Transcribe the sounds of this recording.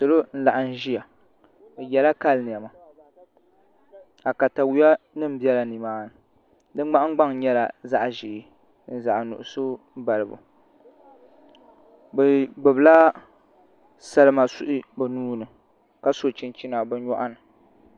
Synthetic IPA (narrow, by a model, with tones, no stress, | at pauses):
sɨ˨lo˦n̩˦la˨ʔa˨n̩˦ʒi˦ja˨ | bɛ˨jɛ˨la˦ka˦lnɨ˨a˨ma˨ | a˨ka˨ta˨wu˨˦a˦nɨ˦m̩˦bjɛ˦la˨ni˨maː˦nɨ˨ | dɨ˦ɡ͡ba˦ʔŋ˦ɡ͡ba˦ŋ˨ɲɛ˦la̰˨za˦ʔʒi˨ʔ | n̩˦za˨ʔnʊ̰˨ʔʊ˨so˦ | ba˨lɨ˨bṵ˨ | bɛ˨ɡ͡bɨ˨bɨ˨la˦ | sa˦lɨ˦ma˨su˦ʔɪ˦ba˨nuː˦nɨ˨ | ka˦so˦˨t͡ʃi˦n˦t͡ʃi˦na˨bɨ˦ɲɔ˦ʔa˦nɨ˨